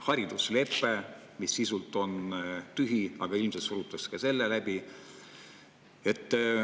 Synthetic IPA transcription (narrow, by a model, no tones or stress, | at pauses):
hɑɾid̪̥usle̞pːˑe | misːisult̪ˑo̞nt̪yɦiɑɡ̥ɑilmset̪suɾut̪ːˑɑskɑse̞lːelæb̥i | e̞t̪ːˑ